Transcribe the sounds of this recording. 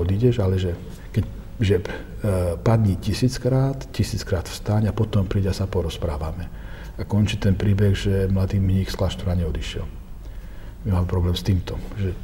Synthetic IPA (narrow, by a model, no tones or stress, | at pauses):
ɔd̪iɟɛʒalɛʒɛ | kɛc | ʒɛ | pad̪ɲicisiːt͡skɾaːt̪cisiːt͡skɾaːt̪fst̪aɲapɔt̪ɔmpɾiːɟɛasapɔɾɔspɾaːʋamɛ | akɔnt͡ʃiːt̪ɛnpɾiːbɛɣʒɛmlad̪iːmɲiːxsklaːʃt̪uɾaɲɛɔd̪iʃɪɛ̰l | mimaːmɛpɾɔblɛːmst̪iːmt̪ɔʒɛ